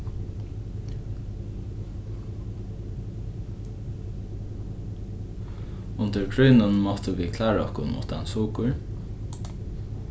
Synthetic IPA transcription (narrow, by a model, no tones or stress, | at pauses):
ʊnt̪əɹkʰɹœʏnənmɔt̪əʋiːkʰlɑːɹɔhkʊnmṵːt̪ɑ̰nsuːkəɹ